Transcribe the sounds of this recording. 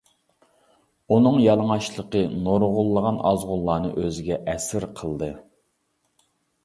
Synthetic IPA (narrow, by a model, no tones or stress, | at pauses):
unɨŋjɑlˠəŋɑʃlˠəqənoɾʁʊlˠːəʁɑnɑzʁʊlˠːɑːnɨ̰ʔøzɪɡʲɛʔɛsɪɾqʰəlˠd̪ɨ